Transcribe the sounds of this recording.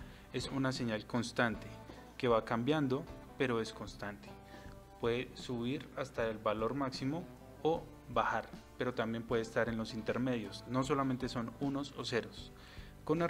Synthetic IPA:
e̞sunas̬e̞ɲalko̞nst̪ant̪e̞ | ke̞βakambjand̪o̞pe̞ɾo̞e̞sko̞nst̪ant̪e̥ | pweðesuβiɾast̪aelbalo̞ɾmaksimo̞ː | baxaɾpe̞ɾo̞t̪ambje̞mpwe̞ðest̪aɾe̞nlo̞sint̪e̞ɾme̞ðjo̞sno̞s̬o̞lament̪e̞so̞nuno̞sose̞ɾo̞s | ko̞na

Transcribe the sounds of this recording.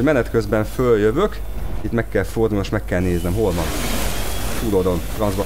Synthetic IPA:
mɛnɛt̪køzbɛɱføljøvøk | it̪mɛkːɛlford̪uːloʃmɛkːɛlneːznɛmɦo̞lʋɒn | t̪uːd̪od̪o̞nfrɒnzbɒ

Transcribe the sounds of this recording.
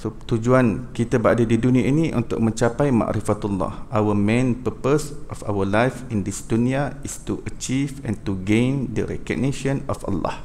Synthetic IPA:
sot̪ud͡ʒuankit̪abəadadidunĩainĩʔunt̪ʊk̚mə̃ɲt͡ʃapajma̰ʔɾifat̪ulːɑ̰hʔawəmẽnpəpəsʔɔfa̰wəlajfĩndisdunĩaistuʔət͡ʃivɛ̃nt̪uɡẽnd̪ə̰ɾɛ̰kɔ̰ɡ̚niʃɔ̃nɔfa̰lːa̰h

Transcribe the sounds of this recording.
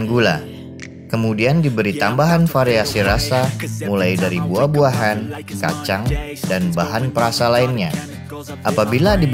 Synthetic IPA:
nɡula̰ | kəmudiandibəɾit̪ambaɦanfaɾeasiɾasamulajdaɾibuabuaɦan | ka̰t͡ʃaŋ | danbaɦanpəɾasalaɪnɲa | ʔapabiladib

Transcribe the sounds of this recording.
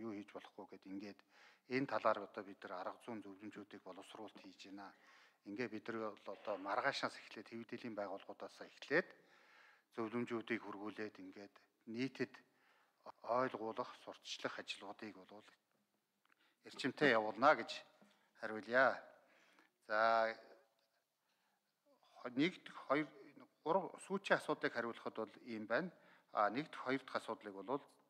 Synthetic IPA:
juːxiːt͡ɕpɔɮɞ̆χɡujɡeːt̪iŋɡeːt̪ent̪ʰaɮaːrɔt̪ɔːpit̪ɘ̆raɾə̆qt͡sʊːnt͡sɵwɮɵ̆mt͡ɕuːt̪iːk̚pɔɮə̆wsʊrʊːɬt̪xiːt͡ɕeːnaːeŋɡeːt̪̚pit̪ɘ̆riɮɔt̪ɔmarʁaːʃnaːse̥xɮeːt̪xewt̪eːɮiːmpæːʁʊːɮʁʊːt̪aːsaexɮeːt̪ | t͡sɵwɮɵ̆mt͡ɕuːt̪iːkxurɣuːɮeːt̪iŋɡeːt̪ | niːt̪ʰɘ̆t̪ | ɔːɮʁʊːɮə̆χsʊr̥t̪t͡ɕɮə̆χat͡ɕɪ̆ɮʁʊːt̪iːkpɔɮʊːɮ | er̥t͡ɕɪ̆m̥t̪eːjawʊːɮnaːɡet͡ɕ | χæɾʲɪ̆ɮjaː | t͡saː | nekt̪χɔ | ʊɾsuːt͡ɕiːŋasʊːt̪ɮiːkχæɾʲʊ̆ɮə̆χə̆t̪ɔɮiːmpæːn | a̰ːnekt̪χɔjɞ̆r̥t̪ə̥̆χasʊːt̪ɮiːkɔɮʊːɮ

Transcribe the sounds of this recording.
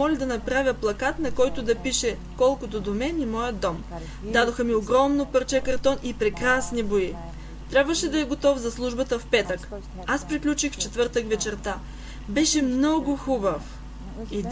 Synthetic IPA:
ɔlʲɐd̪ɐnɐpɾavʲjəplˠɐkat̪nɐkɔjt̪ʊd̪ɐpiʃɛ | kɔlˠkot̪od̪omɛnimɔjəd̪ɔm | d̪ad̪oxəmioɡɾɔmnopəɾt͡ʃɛkɐɾt̪ɔnipɾɛkɾasniboi | t̪ɾʲabvəʃɛd̪ɐɛɡot̪ɔfzɐslˠuʒbət̪əfpɛt̪ək | aspɾiklʲut͡ʃixft͡ʃɛt̪vɤɾt̪əkvɛt͡ʃɛɾt̪a | bɛʃɛmnɔɡʊxubəf | i

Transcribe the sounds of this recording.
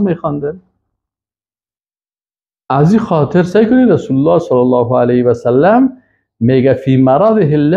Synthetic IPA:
mexɔnd̪an | azixɔːt̪ʰɪɾsajkʊniɾasulʊlːɑːsɑlːalːɑːɦʊalahwasalːamː | eːɡafiːmaɾˤɑːðˤɪɦɪlːa

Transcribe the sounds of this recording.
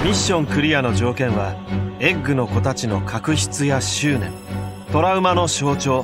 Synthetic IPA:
mʲiɕːõ̞ŋkɯ̟ɾʲijano̞ʑo̞ːkẽ̞ɰ̃βae̞ɡːɯ̟no̞ko̞t̪at͡ɕino̞̰kʰakɯ̟çi̥t͡sɨjaɕɨːnẽ̞̰ | t̪o̞ɾaɯ̟mano̞ɕo̞ːt͡ɕo̞ː

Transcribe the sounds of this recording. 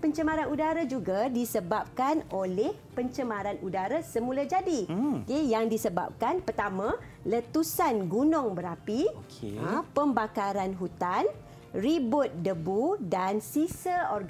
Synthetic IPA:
pəɲt͡ʃəmãɾanudaɾad͡ʒuɡadisəbap̚kanolɛhpəɲt͡ʃəmãɾanudaɾasəmulad͡ʒadiokejaŋdisəba̰p̚kanpərt̪amã | lət̪usanɡunɔŋbəɾapikəpəmbakaɾanɦut̪an | ribʊt̪̚dəbudansisəɔrɡ

